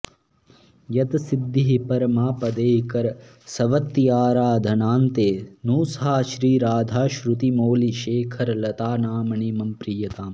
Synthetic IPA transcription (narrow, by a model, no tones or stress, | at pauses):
jɐt̪sid̪ːiɦipɐɾmaːpɐd̪eːkɐɾ | sɐʋɐt̪ːijaːɾaːd̪ʱɐnaːnt̪eːnuːsɦaːʃɾiːɾaːd̪ʱaːʃɾut̪imoːliʃeːkʰɐɾlɐt̪aːnaːmɐɳimɐmpɾiːjɐt̪aːm